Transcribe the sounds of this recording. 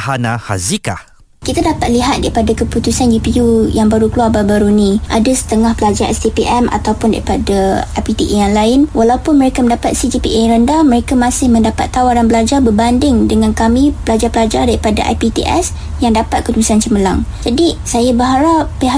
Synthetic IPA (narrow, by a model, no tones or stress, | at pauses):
hanaha̰zika̰ | kit̪adapat̪̚liɦat̪̚daɾipadakəput̪usanjupiujaŋbaɾukəluarbabaɾunĩʔadasə̥t̪əŋahpəlad͡ʒaɾʔɛsdipiʔɛmʔa̰t̪awpʊnda̰ɾipadaʔapit̪iʔijaŋlaɪnwalawpʊnmə̃ɾekaməndapat̪̚sid͡ʒipḭʔeɾəndamə̃ɾekamãsɪhmə̃ndapat̪ːawaɾanbəlad͡ʒarbərbandɪŋdəŋankamĩpəlad͡ʒarpəlad͡ʒardaɾipada̰ʔa̰jpit̪ḭʔɛ̰s | jaŋdapat̪̚kədusant͡ʃəməla̰ŋd͡ʒadisajabəɦaɾapːeɦa